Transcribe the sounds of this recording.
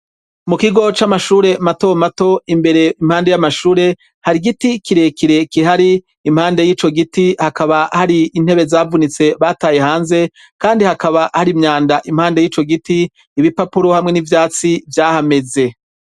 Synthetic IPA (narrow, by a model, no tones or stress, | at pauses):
mukiɡo̞t͡ʃamaʃuːɾe̞mato̞mato̞imbe̞ɾe̞im̥haːnde̞jamaʃuːɾe̞ | haɾiɡitikiɾe̞kiɾe̞kiɦaɾiː | mhaːnde̞jiːt͡ʃo̞ɡitihakaβahaɾiin̥he̞βe̞zaːvunit͡se̞βaːtaːje̞haːnze̞ | kaːndihakaβahaɾimɲaːndaʔim̥haːnde̞jiːt͡ʃo̞ɡitiː | βipapuɾo̞hamŋe̞nivjaːt͡sivjaːhame̞ze̞